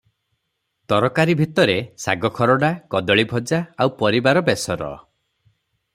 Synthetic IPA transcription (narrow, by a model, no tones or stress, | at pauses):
t̪ɔɾɔkaɾibʱit̪ɔɾesa̰ɡɔkʰɔɾɔɖakɔd̪ɔɭibʱɔd͡ʒaawpɔɾibaɾɔbesɔɾɔ̰